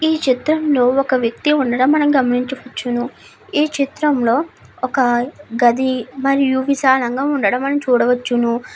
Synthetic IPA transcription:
iːt͡ʃit̪ɾɐmlo̞ːɔkɐʋjɐk̚t̪iuɳɖɐɽɐmːɐnɐmɡɐmɐniɲt͡ʃɐʋɐt͡ʃːunu | iːt͡ʃit̪ɾɐmlo̞ː | ɔkɐɡɐd̪imɐɾijuʋiʃaːlɐŋɡaːuɳɖɐɽɐmːɐnɐmt͡ʃuːɽɐʋɐt͡ʃːunu

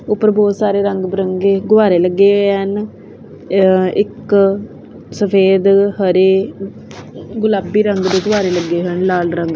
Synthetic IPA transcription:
ʊpːəɾbɔːt̪saːɾeːɾəŋɡbəɾəŋɡeːɡʊʋaːɾeːləɡːeːən | ɪk | səpʰeːd̪həɾeː | ɡʊlaːbiːɾəŋɡd̪eːɡʊʋaːɾeːləɡːeːɦənlaːlɾəŋɡ

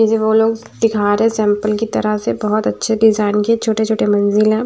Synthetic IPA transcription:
ɪd͡ʒeʋoːloːɡ | d̪ɪkʰaːɾɦɛ̃sɛ̃ːmpəlkit̪ɐɾəɦsebɐɦɔt̪ɐtːʃʰeɖɪzaːɪnket͡ʃʰoːʈet͡ʃʰoːʈemɐnzɪlɦɛ̃ː

